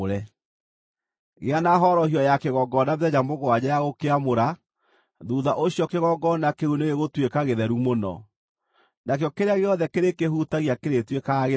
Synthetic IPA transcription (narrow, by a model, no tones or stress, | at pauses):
ɾɛ | ɣeanaɦɔɾɔhiɔjakeɣɔɡɔnavɛd͡ʑamoɣwad͡ʑajaɣokeamoɾa | ðuðaʔoɕiɔkeɣɔɡɔnakeuneɣeɣotwekaɣeðɛɾumonɔ̰ | nakjɔkeɾeaɣeɔðɛkeɾekehutaɣiakeɾetwekaɣe